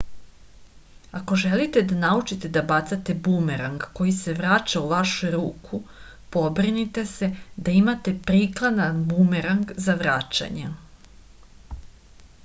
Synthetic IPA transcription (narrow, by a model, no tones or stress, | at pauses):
ako̞ʒelit̪e̞d̪anaut͡ʃit̪ed̪abat̪sat̪e̞bumeɾaŋɡko̞jise̞ʋɾat͡ʃauʋaʃujɾuːkʰu | po̞bɾinit̪e̞se̞d̪aimat̪e̞pɾiklˠad̪anbumeɾaŋɡzaʋɾat͡ʃa̰ɲe